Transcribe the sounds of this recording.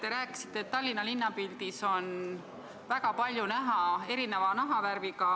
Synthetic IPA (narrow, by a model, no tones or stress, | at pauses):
t̪e̞ɾæːkːˑi̥si̥t̪ˑːet̪ːɑlʲːinɑlinːɑpild̪̥iso̞n | væɡ̥ɑpɑlʲjunæɦɑe̞ɾinevɑnɑɦɑvæɾvikɑ